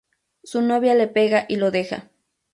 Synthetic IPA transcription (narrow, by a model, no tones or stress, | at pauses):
sunoβjalepeɣaʔiloðexa̰